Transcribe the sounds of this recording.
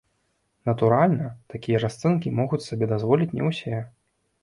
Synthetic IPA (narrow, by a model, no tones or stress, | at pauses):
nɐt̪uɾalʲnɐt̪akʲijɐrast̪sɨnkʲimɔɣut͡sʲsabʲɛd̪azvɔlʲit͡sʲnʲɛ̰wsʲɛ